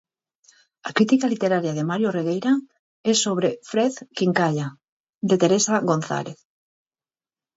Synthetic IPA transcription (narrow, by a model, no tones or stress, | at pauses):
akɾit̪ikalit̪eɾaɾjaðemaɾjoreɣejɾa | ɛsoβɾefɾeðkiŋkaʎa | d̪et̪eɾesaɣon̟θa̰leθ